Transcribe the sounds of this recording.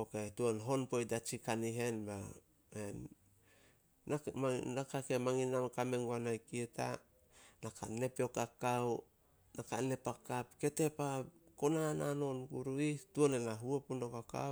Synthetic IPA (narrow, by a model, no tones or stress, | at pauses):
oketuonɦo̞npojdat͡ʃikaniɦe̞nba̰ | en | anakakemaŋinamkame̞ŋɡoanajkieta̰ | nakʰa̰ne̞peo̞kakaw | nakane̞pakapke̞te̞pako̞nanano̞nɡuɾuituonenaɦuopundokaka̰